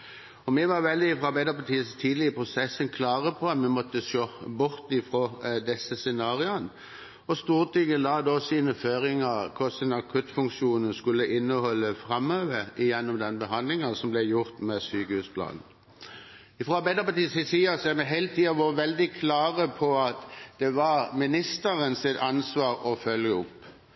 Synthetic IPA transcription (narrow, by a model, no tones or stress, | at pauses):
ɔmɛʋɑʁʋɛld̪ɪɪfʁɔːɑʁbæɪd̪əʁpɑʈ̪iːəst̪ʰiːd̪lɪəpʰʁʊsɛsːənkʰlɑːʁəpʰɔɑt̪mɛmɔt̪ːəʃoːbʊɾt̪ɪfʁoːd̪ɛsːəsɛnɑːʁɪɑn | ɔst̪uːʁt̪yɡənlɑːd̪oːsiːnəføːɾɪŋəɾkʰɔsənɑkʰʉt̪fʉŋkʂuːnən̩skʉlːəʔɪnːəhɔlːəfɾɑmøːʋəɪjɛnːɔmd̪ɛnbəɦɑnd̪lɪŋəsɔmblɛjʊʁt̪mɛsyːkəhʉːspʰlɑ̰ːnn̩ | ɪfɾoːɑɾbæɪd̪əpɑt̪iːshɪsiːɑsɛɾmɛɦɛɪlət̪ʰiːɑʋɑʋɛld̪ɪkʰlɑːʁəpʰɔɑt̪d̪̥ɛʋɑɾmɪnɪst̪əɾənsɪt̪ɑnsʋɑːɾɔfœljəʊpː